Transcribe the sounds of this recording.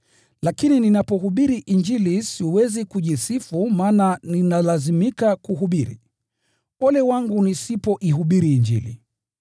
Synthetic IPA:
lakinininapɔɦuɓiɾiʔiɲd͡ʒilisiuwɛzikuʄisifumaːnaninalazimikakuɦuɓiɾḭ | ɔlɛwaŋɡunisipɔʔiɦuɓiɾiːɲd͡ʒḭlḭ

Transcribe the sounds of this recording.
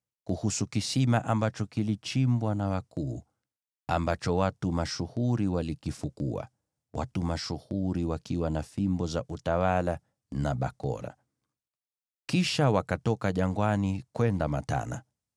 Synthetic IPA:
kuhusukisimaʔambat͡ʃɔkilit͡ʃimbwanawakʰuː | a̰mbat͡ʃɔwatumaʃuhuɾiwalikifukṵa̰ | wʔa̰tumaʃuhuɾiwakiwanafimbɔzaʔutawala | naɓa̰kɔ̰ɾa̰ | kiʃawakatɔkaʄaŋɡwanikwɛndama̰ta̰na̰

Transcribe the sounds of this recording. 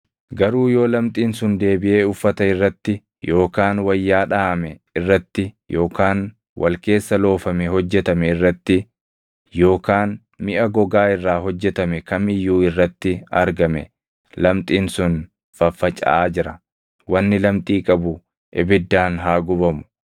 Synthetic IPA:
ɡɐɾuːjo̞ːlɐmt̪ʼiːnsʊnd̪e̞ːbɪʔe̞ːʊfːɐt̪ɐɪrːɐt̪ːɪ | jo̞ːkaːnwɐjːaːᶑaːʔɐmɛɪrːɐt̪ːɪ | jʔo̞ːkaːn | wʔɐ̰lke̞ːsːɐlo̞ːfɐmɛhɔd͡ʒːɛt̪ɐmɛɪrːɐt̪ːɪ | jo̞ːkaːn | mɪʔɐɡɔɡaːɪrːaːɦɔd͡ʒːɛt̪ɐmɛkɐmɪjːuːɪrːɐt̪ːɪɐ̰ɾɡɐmɛ̰ | lɐmt̪ʼiːnsʊn | fɐfːɐt͡ʃʼɐ̰aːd͡ʒɪɾɐ | wɐnːɪlɐmt̪ʼiːkʼɐbʊ | ʔɪbɪd̪ːaːnɦaːɡʊbɐmʊ̥

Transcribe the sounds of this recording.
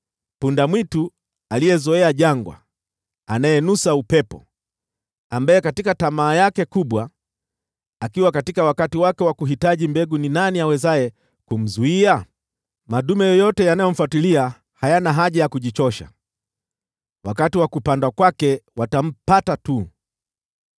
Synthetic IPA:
pundamwitu | alijɛzɔɛaʄaŋɡwa̰ | anajɛnusaupɛpɔ̰ | ambajɛkatikatamaːjakɛkuɓwa | akiwakatikawakatiwakɛwakuɦitaʄimbɛɡuninaniawɛzaɛ | kum̩zuia | maɗumɛjɔjɔtɛjanajɔm̩fwatilia | hajanaɦaʄajakuʄit͡ʃɔʃa̰ | wakatiwakupandakwakɛwatam̩patatu

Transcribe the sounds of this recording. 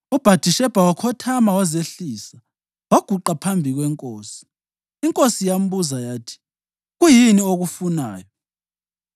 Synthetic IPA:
ub̥ʱad̥ʱiʃɛb̥ʱawakʰɔtʰamawazeɬiːsa | waɡ̥ʱuǃapʰambʱiɣwɛŋkʼoːsi̥ː | ŋkʼosijam̩buzajaːtʰi̥ | ɣujinioɣufunaːjɔ

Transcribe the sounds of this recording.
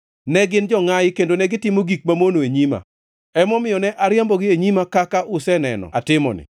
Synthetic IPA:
nɛɡɪnd͡ʒɔŋajɪkendonɛɡɪtɪmoɡik̚mamonoeɲima̰ | ɛmɔmɪjɔnɛʔaɾɪambɔɡɪeɲimakakaʔʊsɛnɛ̰nɔ̰atɪmɔ̰nɪ̰

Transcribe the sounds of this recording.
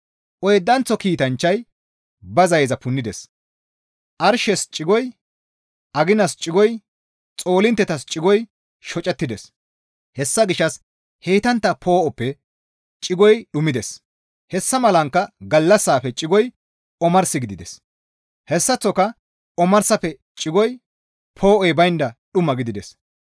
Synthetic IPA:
ʔɔjd̪ːɐnt͡sːɔkiːt̪ɐnt͡ʃːɐj | bɐzɐjzɐpʊnːɪd̪ɛs | ʔɐɾʃɛst͡ʃʼɪɡɔj | ʔɐɡɪnɐst͡ʃʼɪɡɔj | t͡sʼo̞ːlɪnt̪ːɛt̪ɐst͡ʃʼɪɡɔj | ʃɔt͡ʃʼɛt̪ːɪd̪ɛs | hɛsːɐɡɪʃːɐs | heːt̪ɐnt̪ːɐpʰo̞ːʔɔpːɛ | t͡ʃʼɪɡɔjɗʊmɪd̪ɛs | hɛsːɐmɐlɐŋkːɐɡɐlːɐsːaːfɛt͡ʃʼɪɡɔj | ɔmɐɾsɪɡɪd̪ɪd̪ɛs | hɛsːɐt͡sːɔkɐ | ɔmɐɾsɐfɛ | t͡ʃʼɪɡɔj | pʰo̞ːʔɔjbɐjnd̪ɐɗʊmɐɡɪd̪ɪd̪ɛs

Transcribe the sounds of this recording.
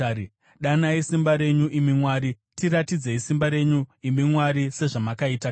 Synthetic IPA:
ɗanaisimbaɾe̞ɲuʔimimwaːɾi | tiɾatid͡zeisimbaɾe̞ɲuimimwaɾise̞ʐamakaita

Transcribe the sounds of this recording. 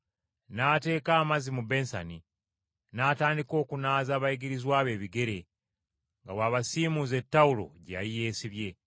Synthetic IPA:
naːte̞ːkaːmazimube̞nsa̰ni | naːtaːndiko̞ːkunaːzaːβajiɡiɾizwaːβe̞ːβiɡe̞ɾe̞ | ŋɡawaːβasiːmuze̞tːaulo̞̰ɟa̰jije̞ːsiβje̞

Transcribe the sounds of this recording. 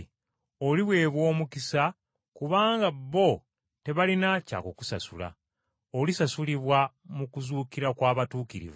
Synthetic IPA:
oliβwe̞ːβwo̞ːmukisa | kuβaːŋɡabːo | te̞βalinaca̰ːkoku̥sa̰sula̰ | olisasuliβwamukuzuːkiɾakwaːβatuːkiɾḭvu

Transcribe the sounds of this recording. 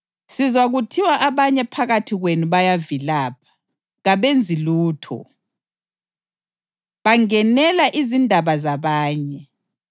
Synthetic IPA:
sizwaɣutʰiwaʔaβaɲɛpʰaɣatʰiɣwenuβajavilaːp̚ʰḁ | ɣaβend͡zʱiluːtʰɔ̰ | βaŋɛnɛlaʔizindʱaβazaβaːɲɛ

